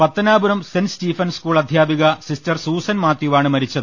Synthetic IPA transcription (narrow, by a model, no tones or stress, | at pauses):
pɐt̪ːɐnaːbuɾɐmsenstiːfɐnskuːɭɐd̪ʱjaːbiɣɐsistɐrsuːsɐnmaːt̪ːjiʋaːɳɨmɐɾit͡ɕːɐðɨ